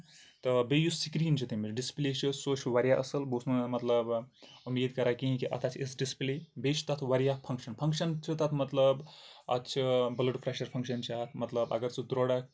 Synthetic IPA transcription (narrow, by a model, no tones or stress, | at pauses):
t̪ɐbejussikɾiːnt͡ʃʰit̪imiɖisplet͡ʃʰisot͡ʃʰʋaɾʲjaʔɐsɐlbusnumɐt̪ləbumiːd̪kɐɾakĩɦĩkiʔɐ̰t̪ʰat͡ʃʰesɖisplibet͡ʃʰt̪ɐt̪ʰʋɐɾijapʰɐŋkʃɐnpʰɐŋkʃɐnt͡ʃʰit̪at̪ʰmɐt̪ləbɐ̰t̪ːt͡ʃʰibɐlɐʈpʰɾaʃɐɾpʰɐ̃ŋkʃɐnt͡ʃʰat̪ʰmɐt̪lɐbɐ̰ɡəɾt͡sʰid̪ɾoɽak